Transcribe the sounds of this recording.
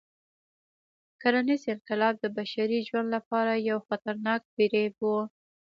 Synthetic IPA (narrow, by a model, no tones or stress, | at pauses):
kaɾanizɪlqɪlɑb̚d̪əbaʃaɾiʒwand̪lapɑɾajawxat̪aɾnɑk̚biɾewu